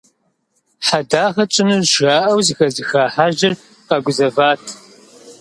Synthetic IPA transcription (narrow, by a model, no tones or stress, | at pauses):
ħadaːʁɐt͡ʃʼɪnɨʒaːʔɐwzɨxɐzɨxaːħaʒɪr | qɐɡʷʊzɐvaːtʰ